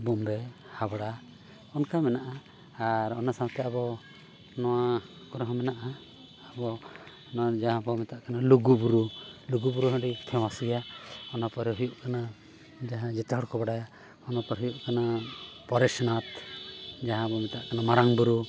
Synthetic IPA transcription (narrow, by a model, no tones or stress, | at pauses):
bɔmɾɛ | habɽa | ɔnkamɛnaʔa | aɾɔnasãwt̪ɛabɔ | nɔwa | kɔɾɔɦɔ̃mɛnaʔaː | bɔ | nd͡ʒaɦãbɔmɛt̪aʔkanaluɡubuɾuluɡubuɾuɦɔ̃ɖik̪ʰɛwasijaɔnapɔɾɛɦujuʔkana | d͡ʒaɦãd͡ʒɛt̪ɔɽkɔbaɽaja | ɔnapɔɾɦujuʔkanapɔɾɛsnat̪d͡ʒaɦãbɔmɛt̪aʔkanamaɾaŋbuɾu